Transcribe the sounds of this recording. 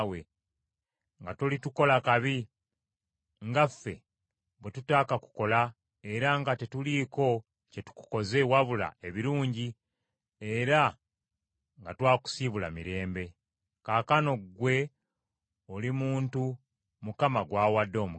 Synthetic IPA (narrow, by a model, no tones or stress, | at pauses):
we̞ | ŋɡatolituko̞lakaβi | ŋɡafːe̞̰ | βwe̞tutaːkaku̥ko̞la | e̞ɾaŋɡate̞tuliːko̞ | ce̞tu̥ku̥ko̞ze̞waβula̰e̞βiɾuːɲɟi | e̞ɾa | ŋɡatwaːku̥siβula̰miɾe̞ːmbe̞ | kaːkano̞ɡwe̞ | olimuːntu | mukamaɡwaːwadːo̞ːmu